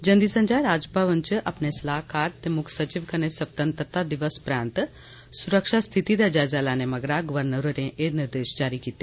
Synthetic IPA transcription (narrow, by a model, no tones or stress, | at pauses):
d͡ʒɐ̃nd̪isə̃ɲd͡ʒaɾaːd͡ʒpaʋənt͡ʃʔɐpnesɐlaːɦkaːɾt̪emʊkʰsɐt͡ʃiʋkɐnesɐb̚t̪ə̃nt̪ɾət̪ad̪ɪʋəspɾaːnt̪ | sʊɾəkʃast̪ʰit̪id̪ad͡ʒaːjzaːlaːnẽmɐɡɾaɡʊʋəɾnəɾoɾẽʔeːɾnɪɾd̪eːʃd͡ʒaːɾikiːt̪e